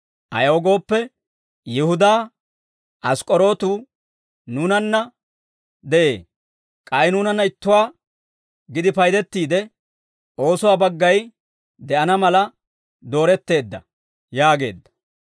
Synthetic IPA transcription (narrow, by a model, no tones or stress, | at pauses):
ʔɐ̰joːɡo̞ːpːɛ | jɪhʊd̪aː | ʔɐskʼɔɾo̞ːt̪uː | nuːnɐnːɐ | d̪ɛʔḛː | kʼɐjnuːnɐnːɐɪt̪ːʊwaː | ɡɪd̪ɪpɐjd̪ɛt̪ːiːd̪ɛ | ʔo̞ːsʊwaːbɐɡːɐj | d̪ɛʔɐnɐmɐlɐ | d̪o̞ːɾɛt̪ːe̞ːd̪ːɐ̰ | jaːɡe̞̰ːd̪ːɐ̥